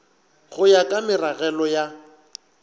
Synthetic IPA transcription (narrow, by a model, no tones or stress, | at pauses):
χʊjakʼamɪraɣɛlɔja